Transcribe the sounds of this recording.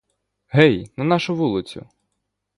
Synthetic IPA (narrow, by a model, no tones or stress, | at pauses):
ɦɛjnɐnɑʃʊʋulˠɪt͡sʲʊ̰